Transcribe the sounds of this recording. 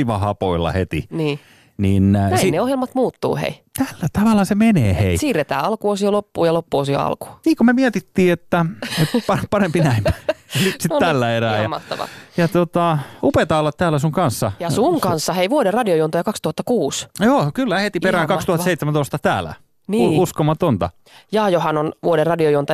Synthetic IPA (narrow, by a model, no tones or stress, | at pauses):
iʋɑhɑpo̰ilːɑ̰het̪ḭniː | niːnnisineohjelmɑt̪muːt̪ːṵːhḛit̪ælːæt̪ɑʋɑlːɑsemenḛːheisiːret̪æ̰ːɑlkuosiolopːuːjɑlopːuosio̰ɑ̰lku̥niːkommemiæt̪it̪ːiːet̪ːæet̪pɑpɑrempinæimæ̥nysit̪t̪ælːæeræːjɑmt̪ːɑ̰ʋɑ̰jɑt̪ot̪ɑupet̪ɑːolːɑt̪t̪æːlːˑæsuŋkɑnsːɑjɑsuŋkɑnsːɑheiʋuoderrɑdiojuont̪ojɑkɑkst̪uhɑt̪ːɑkuːsjoːkylːæhet̪iperæːŋkɑkkst̪uhɑtseit̪semænoˑist̪ɑt̪æ̰ːlæ̰ | niuuskomːɑt̪ont̪ɑ̰ | jɑːjohɑnonʋuoderrɑdiojuont̪ɑ